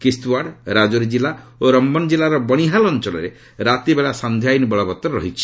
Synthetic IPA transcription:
kistuaɖɾad͡ʒoɾid͡ʒilaoɾɔmbɔnd͡ʒilaɾɔbɔɽ̃iɦalɔnt͡ʃɔlɔɾe | ɾat̪ibeɭasand̪ʱjajnibɔɭɔbɔt̪ːɾɔɾɔ̰ɦit͡ʃʰi̥

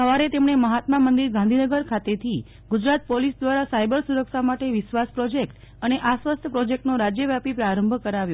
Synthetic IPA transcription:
səʋaɾet̪emɳ̃eməɦat̪mamənd̪iɾɡãnd̪ʱinəɡəɾkʰat̪et̪ʰi | ɡud͡ʒɾat̪̚polisd̪ʋaɾasajbəɾsuɾəkʃamaʈeʋɪʃʋaspɾɔd͡ʒek̚ʈ | əneʔasʋast̪ʰəpɾɔd͡ʒek̚ʈnoɾad͡ʒjəʋjapipɾaɾəmbʱkəɾaʋjo

